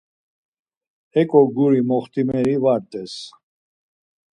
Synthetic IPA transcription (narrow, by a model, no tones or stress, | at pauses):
ɛkʼɔɡuɾimɔχt̪ʰʼimɛɾivaɾt̪ʼɛs